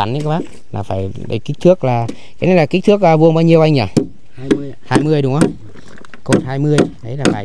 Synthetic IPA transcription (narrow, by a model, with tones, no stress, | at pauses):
a˧˩˦nɲɨ̰˧˦ka˨˦ɓaː˦˥k̚ | la̰ː˨˩faː˧˩jɓə̰˨˩jki˦˥t̪ʰɨ˦˥ək̚laː˨˩ | ka˨˦na˨˦la˨˩ki˦˥t̪ʰɨ˦˥ək̚zaː˧˩vu˧əŋɓaː˧wɲi˧əwʔa˧jŋaː˨˩˧ | haː˧jmɨ˧əjɗʊ˨˦ŋ͡mʔə˧˦w | ko˨˩thaː˧jmɨ˧əjʔə˨˦jlaː˨˩faː˨˧˩j